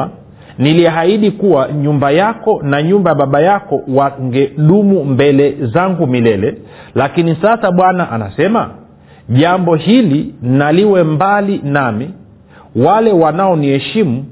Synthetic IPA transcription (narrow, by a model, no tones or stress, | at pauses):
niliaɦaiɗikuwaɲumbajakɔnaɲumbajaɓaɓajakɔwaŋɡɛɗumumbɛlɛzaŋɡumilɛlɛ | lakinisasaɓwanaʔana̰sɛma̰ | ʄambɔhilinaliwɛmbalinami | walɛwanaɔniɛʃimu